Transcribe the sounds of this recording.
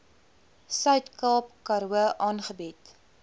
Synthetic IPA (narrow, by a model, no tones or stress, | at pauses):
sœɥtkɑːp̚kɐɾuəʔɑːnχəbit